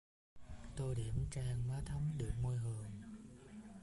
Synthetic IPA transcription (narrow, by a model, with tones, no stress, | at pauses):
t̪o˧jɗi˧˩əmt͡ɕaː˧ŋvaː˨˦t̪ʰə˨˦wŋ͡mɗɨ˨˩ək̚mo˧jɦɨ˨˩əŋ